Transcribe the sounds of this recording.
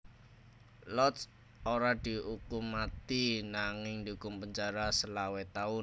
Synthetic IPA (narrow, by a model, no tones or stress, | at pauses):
lɔt̪s | oɾad̪̥i̤ukʊmat̪inaŋɪŋnd̪ukʊmpəɲt͡ʃaɾasəlawet̪aʊ